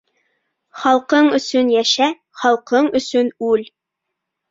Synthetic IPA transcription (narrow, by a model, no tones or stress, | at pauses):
χɑlˠqɤɴɵ̆sɵnjæʃæ | χɑlˠqɤɴɵ̆sɵnʉl